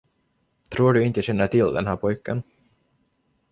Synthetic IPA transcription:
t̪ʰɾuːɖɵɪnt̪əɕɛnːəʈʰɪld̪ɛ̰nɦæːpʰɔjkːən

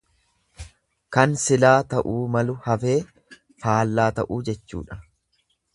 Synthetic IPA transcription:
kɐnsɪlaːt̪ɐʔuːmɐlʊhɐfe̞ː | faːlːaːt̪ɐ̰ʔuːd͡ʒɛt͡ʃːṵːᶑɐ̥

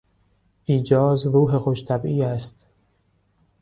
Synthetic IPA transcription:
ʔiːd͡ʒɒːzɾuːɦexoʃt̪ʰæbiːæst̪

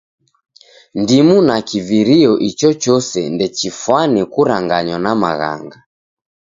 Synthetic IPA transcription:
ndimunakiviɾiɔʔit͡ʃɔt͡ʃɔsɛ̰ndɛt͡ʃifwanikuɾaŋɡaɲwanama̰ɣa̰ŋɡa

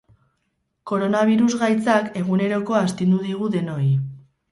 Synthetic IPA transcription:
ko̞ɾo̞naβ̞iɾuzɣajt͡sake̞ɣ̞une̞ɾo̞ko̞ast̪ind̪uðiɣ̞uðe̞no̞j

